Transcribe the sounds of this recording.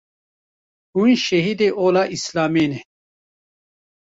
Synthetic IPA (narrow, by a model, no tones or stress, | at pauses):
huĩɕɐɦid̪eʔoːlaʔislaːmene